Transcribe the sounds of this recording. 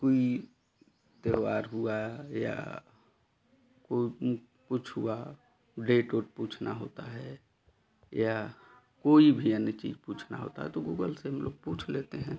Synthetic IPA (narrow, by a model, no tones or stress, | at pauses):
koi | t̪eʋaːɾɦuaja̰ | ko | put͡ʃʰɦua | ɖeːʈoːʈ̚puːt͡ʃʰnʔaɦo̰ːt̪aɦɛ | ja | koːibʱiənːət͡ʃḭd͡ʒpuːt͡ʃʰna̰ɦo̰ːt̪a̰ɦɛ̰t̪oɡuːɡəlseɦəmloːɡ̚puːt͡ʃʰleːt̪eɦɛ̃